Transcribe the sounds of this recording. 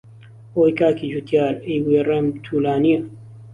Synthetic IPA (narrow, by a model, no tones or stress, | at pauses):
oːjkaːkid͡ʒut̪jaːɾejwirɐmt̪ʰuːlaːniɐ